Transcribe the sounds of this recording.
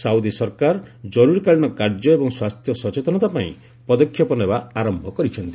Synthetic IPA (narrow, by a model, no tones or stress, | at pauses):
sawd̪isɔɾkaɾd͡ʒɔɾuɾikaɭiñɔkaɾd͡ʒɔebɔŋswast̪ʰjɔsɔt͡ʃet̪ɔñɔt̪apaḭ̃ | pɔd̪ɔkʰːjɔpɔnebaaɾɔmbʱɔkɔɾit͡ʃʰɔnt̪i